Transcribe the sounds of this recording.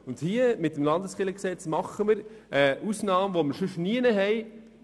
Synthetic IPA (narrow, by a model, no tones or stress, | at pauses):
ʊnd̥hiəmɪt̪ːəmlɑnd̪əsχɪləksɛt͡smɑχːəməɾəʔusnɑːmʋoməɾʃʉʃniənəɦɛj